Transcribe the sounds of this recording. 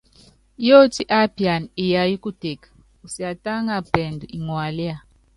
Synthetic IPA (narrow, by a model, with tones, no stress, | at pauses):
jo˦ti˦ʔa˦pi˨a˨ni˨ja˨ji˦ku˦te˨kḁ˨ | u˨si˨a˨ta˦ŋa˦˨pɛ˨ndu˨ʔi˨ŋwa˨li˦a˦˨